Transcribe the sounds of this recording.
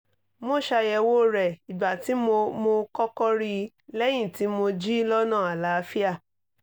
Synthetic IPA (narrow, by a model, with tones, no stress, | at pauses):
mo˦˨ʃa˧jɛ˧wo˦˨ɾɛ˨i˨ba˨ti˨˦mo˧mo˧kɔ˦kɔ˦ɾi˧ | lɛ˦j̃ĩ˦˨ti˨˦mo˧d͡ʒi˦lɔ˦nãː˦˨a˨la˨˦˧fi˦a˦˨